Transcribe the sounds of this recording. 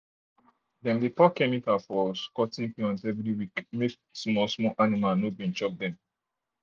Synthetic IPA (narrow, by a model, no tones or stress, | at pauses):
dɛ̃mdepɔkɛmikafɔskɔtĩnpiɔ̃nsɛvɾiwikmek | smɔsmɔʔanimanobĩnt͡ʃɔk̚d̪ɛ̃m